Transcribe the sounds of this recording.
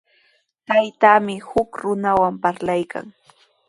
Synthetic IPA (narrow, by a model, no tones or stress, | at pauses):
t̪ajt̪aːmɪhʊkɾʊnawampaɾlajkʰa̰ŋ